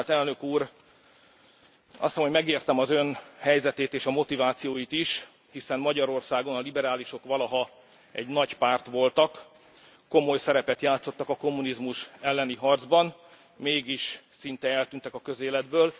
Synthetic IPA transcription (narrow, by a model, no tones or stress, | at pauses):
t̪ɛlnøkuːɾ | ɒ̰st̪ɒmomɛɡeːrt̪ɛmɒzø̞nhɛjzɛt̪eːt̪eːʃɒmo̞t̪ivaːt̪sijoːjit̪iʃ | hisɛmːɒɟɒɾo̞rsaːɡo̞nɒlibɛɾaːliʃo̞kʋɒlɒɦɒ | ɛɟnɒɟpaːrt̪ʋo̞lt̪ɒkː | o̞mo̞jsɛɾɛpɛt̪jaːt̪so̞t̪ːɒkɒko̞mːunizmuʃɛlːɛniɦɒrd̪zbɒn | meːɡiʃ | sint̪ɛɛlt̪ynt̪ɛkɒkø̞zeːlɛd̪bøːl